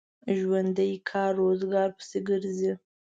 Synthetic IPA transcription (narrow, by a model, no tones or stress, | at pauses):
ʒwand̪əjkʰɑrːozɡɑɾpə̥seɡəɾzi